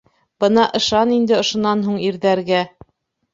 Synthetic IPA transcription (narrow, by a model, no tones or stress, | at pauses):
b̥ɤnɑʔɤ̆ʃɑnind̪ɘŏʃŏnɑnɦuɴiɾðæɾɡæ